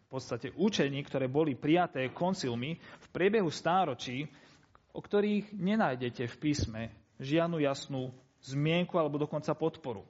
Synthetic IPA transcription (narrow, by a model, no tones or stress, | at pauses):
fpɔt̪st̪acɛʔut͡ʃɛɲiːkt̪ɔɾɛːbɔlipɾijat̪ɛːkɔnt͡silmifpɾɪɛbɛɦust̪aːɾɔt͡ʃiː | ʔɔkt̪ɔɾiːɣɲɛnaːjɟɛcɛfpiːsmɛ | ʒɪad̪nujasnuː | zmɪɛŋkualɛbɔd̪ɔkɔnt͡sapɔt̪pɔɾṵ